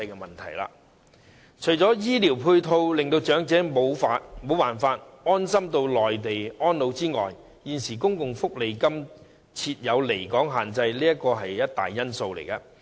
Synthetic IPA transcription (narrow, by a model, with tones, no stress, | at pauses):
ɐ˧jkɛ˧mɐ˨˩nt̪ʰɐ̰˨˩jla̰ː˧ | t͡ʃʰɵ˨˩jt͡sɔː˨˥jiː˥liː˨˩wpʰuː˧jt̪ʰo˧wlɪ˨ŋt̪o˧wt͡ʃœː˨˥ŋt͡sɛː˨˥mo˨˧wfaː˧mo˨˥wpaː˨˩nfaː˧t̚ | ɔː˥nsɐ˥mt̪o˧wlɔː˨jt̪e˨jʔɔː˥nlo˨˧wt͡siː˥ŋɔ̰ː˨j | jiː˨nsiː˨˩kʊ˥ŋkʊ˨ŋfʊ˥k̚le˨˧jkɐ˥m | t͡sʰiː˧t̚jɐ˨˧wle˨˩jkɔː˨˥ŋɦaː˨˩nt͡sɐ˧jliː˥jɐ˥kɔː˧ɦɐ˨jjɐ˥t̚t̪a̰ː˨˩jːɐ˥nso˧wlḛ˨˩jkɐ˧